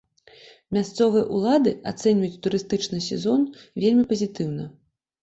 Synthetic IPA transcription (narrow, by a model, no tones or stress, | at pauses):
mʲast̪sɔvɨjɐʔulˠad̪ɨat̪sɛnʲvɐjut͡sʲt̪uɾɨst̪ɨt͡ʂnɨsʲɛzɔnvʲelʲmʲipɐzʲit̪ɨwnɐ